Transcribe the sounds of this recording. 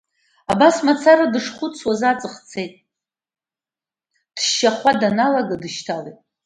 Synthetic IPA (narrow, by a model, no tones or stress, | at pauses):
abasmat͡sʰaɾadɨʂχʷʊt͡sʰwazat͡sʼɨχt͡sʰe̞jtʼ | d̥ʃːaχʷadanalaɡadɨʃtʰalejtʼ